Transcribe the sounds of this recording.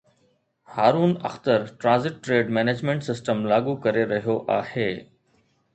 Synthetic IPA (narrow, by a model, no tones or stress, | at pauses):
haːɾuːnɐ̰xt̪əɾʈɾãːzɪʈːɾeːɖmɛːneːd͡ʑmẽːɳʈsɪsʈəmlaːɡukɐɾeɾɐɦijoʔaːheː